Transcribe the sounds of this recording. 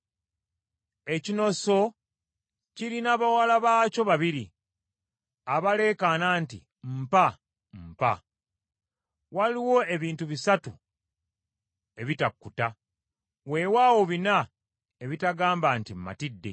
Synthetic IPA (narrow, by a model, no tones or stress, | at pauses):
e̞cino̞so̞ | ciɾinaːβawalaβaːco̞βaβiɾi | aβale̞ːkanantḭ | m̩pa | mpa̰ | waliwo̞e̞βiːntuβisatu | e̞βitakːuta | we̞waːwo̞βina | e̞βitaɡaːmbantimːa̰tidːe̞̰